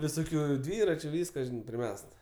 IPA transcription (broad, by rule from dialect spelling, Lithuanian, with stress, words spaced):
ʋʲɪˈsoːkʲʊ ˈdʲʋʲiːrɐt͡ʃʲʊ ˈʋʲiːskɐ pʲrʲɪˈmʲɛst